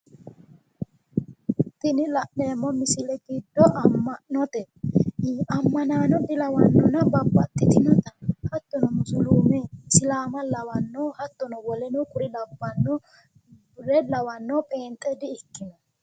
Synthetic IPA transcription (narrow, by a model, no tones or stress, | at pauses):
t̪ɪnɪlɐʔneːmːɔmɪsɪlɛɡɪd̪ːɔʔɐmːɐnɔt̪ɛ | ɐmːɐnaːnɔd̪ɪlɐwɐnːɔnɐbɐbːɐt̪ːɪt̪ɪnɐt̪ɐhɐt̪ːɔnɔmʊsʊluːmɛsɪlaːmɐlɐwɐnːɔhɐt̪ːɔnɔwɔlɛnʊkʼʊɾɪlɐbːɐnːʊ | ɾɛlɐwɐnːɔpʼeːnt̪ʼːɛd̪ɪɪkːɪnɐ